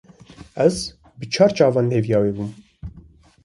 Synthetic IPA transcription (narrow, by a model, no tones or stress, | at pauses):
ɛz | bət͡ʃʰɑːɾt͡ʃɑːvɑːnheːvjɑːweːbum